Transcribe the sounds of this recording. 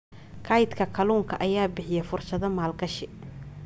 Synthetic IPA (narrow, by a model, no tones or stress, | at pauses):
kʰɐjd̪kʰɐkʰɐluːŋkʰɐʔɐjaːbɪħɪjɛfʊrʃɐðɐmaːlɡɐʃɪ